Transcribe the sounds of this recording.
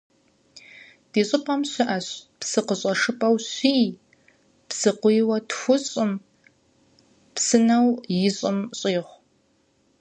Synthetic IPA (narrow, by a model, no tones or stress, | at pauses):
d̥eːɕʼɪpʼɐmɕɪʔɐɕpsɨqəɕʼɐʂɨpʼɐwɕʷiː | psɨqʷjwɐtxʷʊɕʼɪm | psɨnɐwjɪɕʼɪmɕʼiːʁʷ